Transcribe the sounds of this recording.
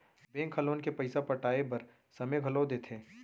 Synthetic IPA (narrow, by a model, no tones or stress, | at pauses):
bẽːŋkʰɐloːnkepɐɪsapɐʈaːepɐɾ | sɐmeɡʱɐlod̪eːt̪ʰeː